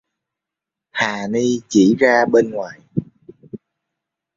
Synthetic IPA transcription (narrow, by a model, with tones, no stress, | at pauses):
haː˨˩ni˧t͡ɕi˧˩zaː˧ɓe˧nŋwaː˨˩j